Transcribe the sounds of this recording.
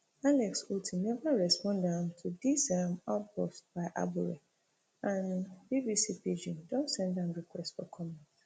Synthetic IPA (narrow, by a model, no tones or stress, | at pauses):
alɛksutʰinɛvaɹɛspɔ̃ndãmtʰudisamaʊt̚bɔstb̥aɪʔa̰buɹɛ | ʔãnbibisiped͡ʒĩndɔ̃nsɛ̃ndãnɹikwɛstfɔkʰɔmɛ̃nt